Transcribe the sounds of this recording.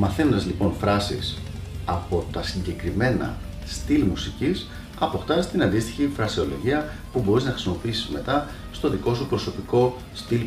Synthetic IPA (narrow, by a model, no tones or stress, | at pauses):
mɐθe̞no̞nd̪ɐzlipo̞nfɾɐsḭs | ɐpo̞t̪ɐsiɲɟe̞kɾime̞nɐ̰ | st̪ilmusicis | ɐpo̞xt̪ɐst̪inɐnd̪ist̪i̥çifɾɐsio̞lo̞̰ʝiɐpubo̞ɾiznɐxɾisimo̞piisizme̞t̪ɐ | st̪o̞ðiko̞supɾo̞so̞piko̞ | st̪il